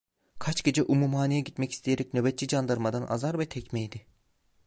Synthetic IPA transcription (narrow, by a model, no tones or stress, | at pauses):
kʰat͡ʃɟ̥ʲe̞d͡ʒɛʔumumɦaːnijɛɟit̪mɛci̥st̪ʰijeɾɛcnøbɛt̪̚t͡ʃid͡ʒand̪aɾmad̪ana̰zaɾvɛt̪ʰɛcmɛjd̪ɪ